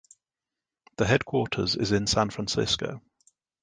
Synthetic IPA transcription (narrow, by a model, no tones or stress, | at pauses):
ðəɦɛd̚kʰw̥ɔˑtʰə̰zɪ̰zɪ̃nsãnfɹãnsɪ̰skə̰ʊ